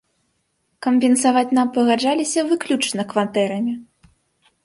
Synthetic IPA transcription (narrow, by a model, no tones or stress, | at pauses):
kɐmbʲɛnsavat͡sʲnampɐɣad͡ʐalʲisʲɐvɨklʲut͡ʂnɐkvat̪ɛɾɐmʲi